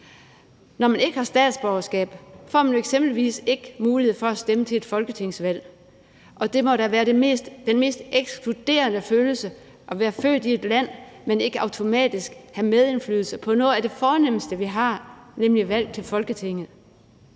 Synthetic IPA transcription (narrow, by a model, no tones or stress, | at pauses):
nɒmæne̝ɡ̥əhɑ̈sd̥ɛ̰ːd̥sb̥ɒʊɐsɡ̥ɛ̰ːb̥fɒ̰ːmænjo̝eɡ̥sem̰b̥l̩ʋḭːse̝ɡ̥əmuːlihe̝ð̞̩̰ˠfɒ̽æsd̥emət͡sʰe̝e̝d̥fɒ̽lɡ̥ət͡sʰe̝ŋsʋæl̰ | ʔɒ̽d̥e̝mɒ̽ɾ̥æʋæːɐ̥e̝sd̥d̥enme̝̰ːsd̥eɡ̥skʰlud̥e̝̰ːɐnəføːl̩sə | ʔɒ̽ʋæːɐfø̰ːd̥ie̝d̥læn̰mene̝ɡ̥əɑ̈ʊt͡sʰo̝mɛ̰ːd̥isɡ̥hæmeðˠe̝nfly̰ːðˠl̩səpʰɒ̽nɔːð̩ˠæɐd̥e̝fɒːnem̰sd̥əʋiɦɑ̈nemliʋæl̰t͡sʰe̝lfɒ̽lɡ̥ət͡sʰe̝ŋ̰ð̩ˠ